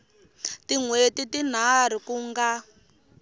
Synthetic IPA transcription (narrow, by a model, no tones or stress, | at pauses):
tiŋwetitin̤aɾ̤ikuŋɡa